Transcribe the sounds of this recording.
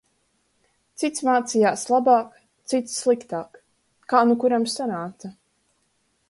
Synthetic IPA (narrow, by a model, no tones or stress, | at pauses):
t̪sit̪smaːt̪sijaːslˠabaːk | t̪sit̪sːlˠikt̪aːk | kːaːnukuɾamsanaːt̪sa